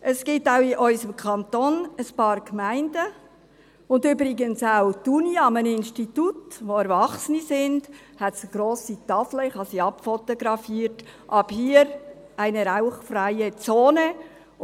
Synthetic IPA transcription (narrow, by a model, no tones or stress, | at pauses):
ʔəsɡ̥ɪtaʊiʔɔʏsəmkʰɑntoːnəspɑːɾkmæɪndə | ʊndybɾɪɡənsaʊtuniɑmənɪnstitutʋoɛɾvɑχsənisɪnd̥ | hɛtsɡ̥ɾoːsit̪ɑfləɪχhɑsiɑpfotoɡɾɑfiːɾtʔɑbhiːəɾ | ʔæɪnəɾaʊχfɾæɪət͡soːnə